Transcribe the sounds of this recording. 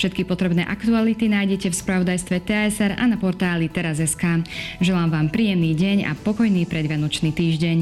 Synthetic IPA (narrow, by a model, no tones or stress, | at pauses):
fʃɛt̪kipɔt̪ɾɛbnɛ̰ːʔakt̪ualit̪inaːjɟɛcɛfspɾaʋɔd̪ajst̪ʋɛt̪ɛɛsɛɾa̰napɔɾt̪aːlit̪ɛɾazɛskaːʒɛlaːmʋaːmpɾiːjɛmniːɟɛɲa̰pɔkɔjniːpɾɛd̪ʋɪanɔt͡ʃniːt̪iːʒɟɛɲ